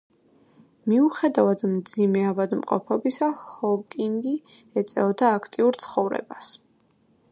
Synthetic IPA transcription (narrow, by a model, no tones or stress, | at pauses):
miuχɛd̪avad̪md̪zimɛavad̪mqʼɔ̰pʰɔbisahɔkʼiŋɡiɛt̪sʼɛɔd̪aːkʰt̪ʼiuɾt̪sʰχɔvɾɛ̰bas